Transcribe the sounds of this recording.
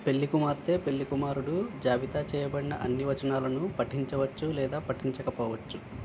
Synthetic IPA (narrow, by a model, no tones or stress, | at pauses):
pe̞ɭːikumaːɾt̪e̞ːpe̞ɭːikumaːɾuɽud͡ʒaːʋit̪aːt͡ʃɛːjɐbɐɽinɐ̰ʔɐnːiʋɐt͡ʃɐnaːlɐnupɐʈiɲt͡ʃɐʋɐt͡ʃːulɛːd̪aːpɐʈiɲt͡ʃɐkɐpɔːʋɐt͡ʃːu